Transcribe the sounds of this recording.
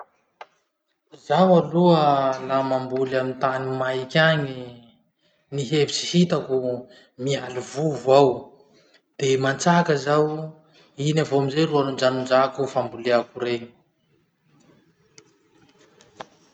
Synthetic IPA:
zawaluəlamambulamint̪animajkʲaɲi | niɦevit͡si̥hit̪aku | mialuvuvuaw | d̪̥emant͡sakəzaw | inavoamizejruanund͡ʒanund͡ʒakufambuleakuɾeɲi̥

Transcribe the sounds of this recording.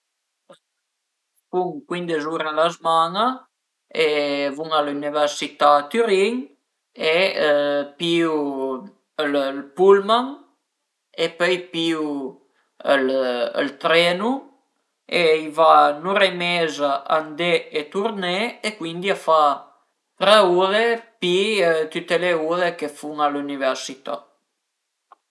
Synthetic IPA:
fuŋkwind̪ezuɾalazmana | evuŋalunivɛrsit̪at̪yɾiŋ | e | piw | əllpulmaŋ | epœjpiw | ələ̰lt̪ɾenu | eivanuɾemezaʔand̪eet̪uɾneekwind̪iafa | rəuðepit̪yt̪eleulekefuŋaluniveɾsit̪a̰

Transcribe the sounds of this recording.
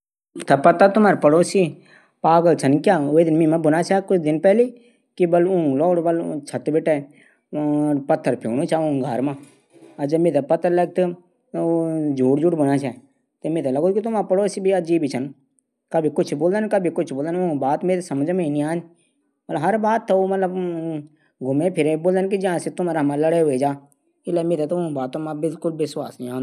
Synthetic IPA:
t̪ʰapət̪at̪ʊmaːɾpəɽoːsiː | paːɡəlt͡ʃʰənkjaːoːed̪ɪnmĩːmãːbʊnaːt͡ʃʰɛːkʊt͡ʃʰd̪ɪnpɛːliː | kibəlʊ̃lɔːɽbəlt͡ʃʰət̪bɪʈeː | pət̪ʰːəɾpʰo̰ːɽ̃ũːt͡ʃʰaːõɡʱaɾmãː | əd͡ʒəmeːt̪apət̪ːəɾlək̚t̪ː | d͡ʒuːʈd͡ʒuːʈbʊnaːt͡ʃʰɛ | t̪eːmẽːt̪eləɡoːd̪kit̪ʊmãːpəɽoːɪsbiəd͡ʒiːbit͡ʃʰən | kəbʱikʊt͡ʃʰboːld̪aːnkəbʱikʊt͡ʃʰboːld̪añbaːt̪meːt̪esəməd͡ʒəmĩːnĩaːn | mt̪ləbɦəɾbaːt̪ːooːmət̪ləb | ɡʱʊmẽːpʰɪɾeːboːld̪nkid͡ʒəɦãːset̪ʊmaːɾamãːləɽeɦʊed͡ʒaː | ɪlɛːmẽːt̪et̪ːbaːt̪ːõmãːbɪlkʊlʋɪswaːsĩãːnd̪

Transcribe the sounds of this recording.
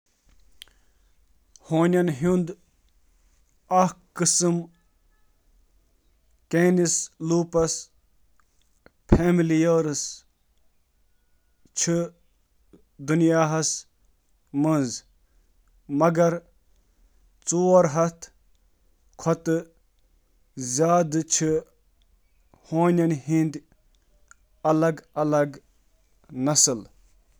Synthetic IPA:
hoːnʲɐnɦund̪ | ɐhkɨsɨm | keːnisluːpɐs | pʰeːmilijɐːɾɨs | t͡ʃʰɨ | d̪unjaːɦɐs | mənz | mɐɡɐɾ | t͡soːɾɦɐt̪ʰ | kʰɔt̪ɨ | zʲaːd̪ɨt͡ʃʰi | hoːnʲɐnɦind̪ | ɐlɐɡɐlɐɡ | nɐsɨl

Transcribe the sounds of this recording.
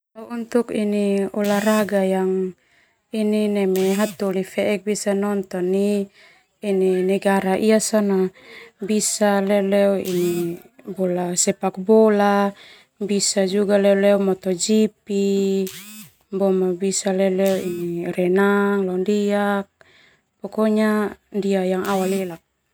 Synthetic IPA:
taunt̪ukiniɔlaɾaɡajaŋ | ininɛmɛɦat̪ulifɛʔɛk̚bisanɔnt̪ɔniː | ninɛɡaɾaʔiasanabisalɛlɛɔinibɔlasɛpak̚bɔla | bisad͡ʒuɡalɛlɛɔmɔt̪ɔd͡ʒipi | bɔmabisalɛlɛɔiniɾɛnaŋlɔndiak̚ | pɔkɔɲandiajaŋawalilak̚

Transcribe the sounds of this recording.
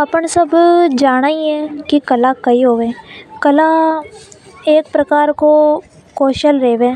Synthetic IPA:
əpəɳsəbd͡ʒaːɽ̃aːiɛkikəlaːkəiɦoːʋeːkəla | eːk̚pɾəkaːɾko | koːʃəlɾeːʋeː

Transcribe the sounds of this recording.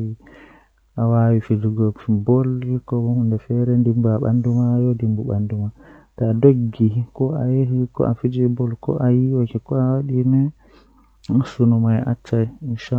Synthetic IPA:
i | awawifiduɡɔbɔlikɔbɔhundɛfɛɾɛndimbaɓa̰ndumajɔdimbuɓa̰ndumataːdoɡːikɔajeɦikɔ̰ʔafid͡ʒibɔlkɔ̰ʔajiwakɛkɔawaɗimɛ | asunumajʔa̰t͡ʃːajinʃa

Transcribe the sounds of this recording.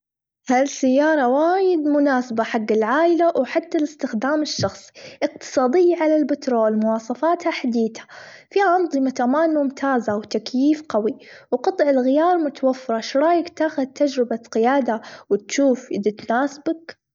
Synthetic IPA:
halsajːɑːɾˤɑwaːjɪd̪mʊnaːsabaħaɡːɪlʕaːʔɪlawħat̪ːalɪst̪ɪxd̪aːmɪʃːɑxsˤi̥ʔɪq̚t̪ɨ̥sˤɑːd̪ɪjːaʕalalbɪt̪ɾoːlmʊwɑːsˤɑfaːt̪haħad̪iːθḁfiːhaʔɑnðˤɨmat̪amaːnmʊmt̪ʰaːzawt̪akjiːfqɑwiwqɑt̪ˤʕɪlɣɪjɑːɾˤmʊt̪awafːɪɾˤɑʃɾˤɑːjakt̪aːxʊðt̪ːad͡ʒɾɪbaqɪjaːd̪awɪt̪ʃuːfʔɪd̪it̪naːsɪbak

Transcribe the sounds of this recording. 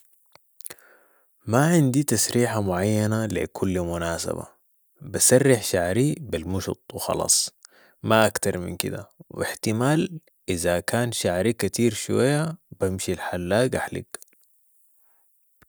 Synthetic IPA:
maʕɪnd̪it̪asɾiːħamʊʕajːanalḭkʰulːmʊnaːsa̰ba̰ | basarːɪħʃaʕɾibilmʊʃʊ̰t̪ˤwxɑ̰lɑ̰ːsˤ | maʔakt̪ɑɾˤmḭnkḭd̪a̰wḭħt̪imaːl | ʔizakaːnʃaʕɾikat̪iːɾʃuwa̰jːabamʃilħalːaːɡʔaħlḭɡ

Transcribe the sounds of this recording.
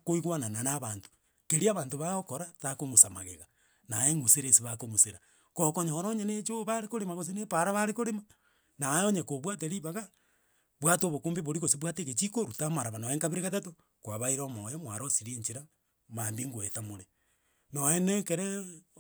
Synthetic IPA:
koiɣwanananaβanto̥ | keɾiaβaːntoβaokoɾatakomosama̰ɣḛɣa | naeŋuseɾesiβakomoseɾa | kokoɲooɾoɲenet͡ʃoβaɾekoɾemaɣos̬enepaɾaβaɾekoɾema | najoɲekoβwat̬eɾiβaɣa | βwatoβokoːmbeβoɾiɣosiβwateket͡ʃikoɾutamaɾaβanoeŋkaβiɾeɣatato | kwaβaiɾomojemwaɾosiɾeɲt͡ʃiɾa | maːmbiŋɡoeθamoɾe | noenekeɾɛ

